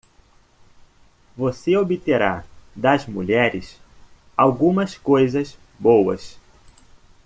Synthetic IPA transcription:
voseobit̪eɾad̪ɐzmuʎɛɾɪs | awɡũmɐskojzɐz | bowɐs

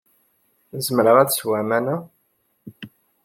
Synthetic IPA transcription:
zəmɾəʁæt͡sswæmænæ

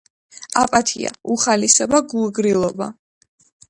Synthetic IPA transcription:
apʼat̪ʰia̰uχalisɛbaɡuɡɾilˠɔba̰

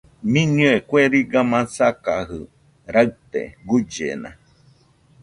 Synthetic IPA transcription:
mĩɲũekʷweɾiɡamãsakahɯ | ɾaɨt̪ḛɡud͡ʒḛnã̰

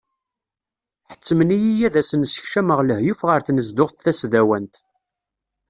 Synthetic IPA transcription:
ħə̥t͡sːəmənijijæðæsənsə̥çʃæməʁləhjufʁəɾθnəzd̪ʊʁθθæsðæwænt̪

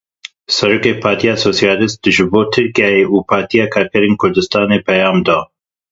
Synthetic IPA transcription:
sɛɾoːkeːpʰɑːɾt̪ʰijɑːsoːsijɑːlɪst̪̚d̪ɨʒɨboːt̪ʰɨɾkijɑːjeʔuːpʰɑːɾt̪ʰijɑːkʰɑːɾkʰɛɾeːnkʰʊɾd̪ɨst̪ɑːneːpʰɛjɑːmd̪ɑː

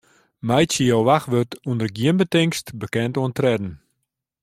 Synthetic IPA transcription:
mɛjsəjowʋaxʋøtuəndərɡiənbətɪŋstbəkɛntuəntrɛdn̩

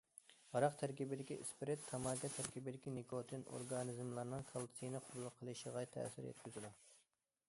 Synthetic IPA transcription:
ʁɑɾɑqt̪ʰæɾkʲibɪd̪ɪkʲiʔispɾet̪ʰːɑmɑɡɑt̪ʰæɾkʲibɪd̪ɪkʲinekʰot̪ʰɨno̰ɾɡɑnɨzmlˠɑɾnɨŋkʰɑlˠt̪sʰijnɨqʰʊb̪lˠqʰəlˠɨʃəʁɑt̪ʰɛ̰sɪɾjɛ̰t̪̚kʲyzɪd̪u

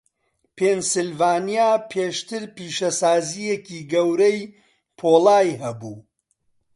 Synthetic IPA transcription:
pʰensɨlvaːnijaːpʰeːʃt̪ɨɾpiːʃɐsaːzijeciːɡɐwɾɐj | pʰoːlaːjɦɐbuː

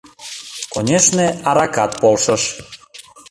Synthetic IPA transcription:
konʲeʃneɑɾɑkɑt̪̚polʃəʃ

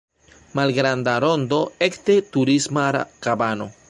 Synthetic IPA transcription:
malɡɾandaɾo̞nd̪o̞ektetuɾismaɾa̰kabano

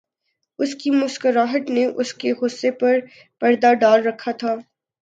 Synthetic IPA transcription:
ʊskimʊskəɾaːɦəʈ̪neʔʊskeɦʊsːepɐɾ | pɐɾd̪aɖaːlɾɐkʰːat̪ʰaː

